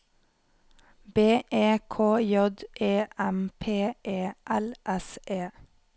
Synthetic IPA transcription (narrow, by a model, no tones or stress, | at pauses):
beːʔeːkʰoːjɔd̪ʔeːʔæmpʰeːʔeːʔælʔɛsʔeː